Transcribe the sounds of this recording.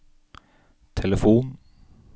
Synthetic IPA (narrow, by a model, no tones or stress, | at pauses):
t̪ʰɛləfuːn